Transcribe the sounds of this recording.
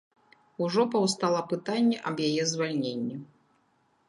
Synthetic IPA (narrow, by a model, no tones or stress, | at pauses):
uʐɔpɐwst̪alˠɐpɨt̪anʲːɛʔɐbjajɛzvalʲnʲenʲːɛ